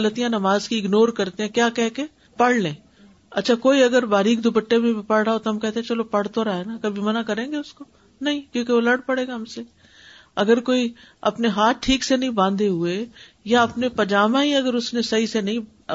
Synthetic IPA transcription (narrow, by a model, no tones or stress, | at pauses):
lət̪ijãnɐmaːzkiɪɡnoːɾkɐɾt̪eɦɛ̃kjaːkɛɦke | pɐɽ̤lẽː | ɐ̰tːʃʰakoːiɐɡəɾbaːɾiːk̚d̪ʊbəʈːemẽpɐɽɽaot̪oɦɐmkɛɦt̪eɛ̃t͡ʃɐlopɐɽ̤t̪oɾaːenakɐbʱimɐnakɐɾẽːŋɡeʊsko | nɐɦĩkjõːkeʋolɐɽpɐɽeːɡaɦɐmse | ɐɡəɾkoːi | ɐ̰pneɦaːt̪̚ʈʰːiːksenɐɦĩbãːnd̪eɦʊe | jaɐpnepɐd͡ʒaːmãɦiɐɡəɾʊsnesɐɦisenɐɦĩ